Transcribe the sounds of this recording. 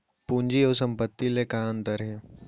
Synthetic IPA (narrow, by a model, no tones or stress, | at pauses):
puːnd͡ʒioːsə̃mpət̪ːilekaənt̪əɾɦẽː